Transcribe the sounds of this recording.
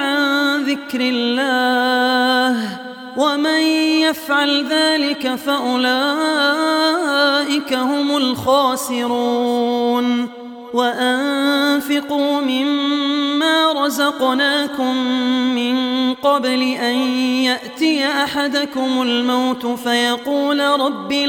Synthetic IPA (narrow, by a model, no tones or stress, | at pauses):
ʕanðɪkɾɪlːaː | h | wamanjafʕalðaːlɪkafaʔʊlaː | ʔɪkahʊmʊlxɑːsɪɾuːn | waʔanfɪquːmɪmː | aːɾˤɑzɑqnaːkʊmːɪnqɑblɪʔanjaʔt̪ɪjʔaħad̪akʊmʊlmawt̪ʊfajɑquːlɾˤɑbːɪ